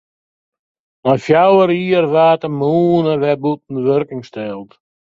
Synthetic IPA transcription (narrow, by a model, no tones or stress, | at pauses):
mɔnfjawəɾiːəɾvaːtəmuːnəvɛbut̚n̩əvøɾkɪŋstɛːlˠt